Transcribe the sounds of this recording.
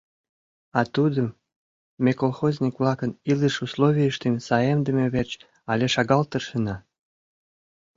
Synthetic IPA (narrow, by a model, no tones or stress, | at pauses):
ɑt̪ud̪əm | mekolˠxozʲnʲikβlɑkəniləʃusloβʲiəʃt̪emsɑjemd̪əmeβert͡ɕ | ɑlʲeʃɑɣɑlt̪əʃənɑ